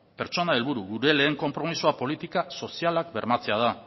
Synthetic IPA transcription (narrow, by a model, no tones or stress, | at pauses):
pe̞ɾt͡ʃo̞nae̞lβuɾuɣuɾe̞le̞ːŋko̞mpɾo̞misuapo̞lit̪ikaso̞sialak̚be̞ɾmat͡se̞að̞a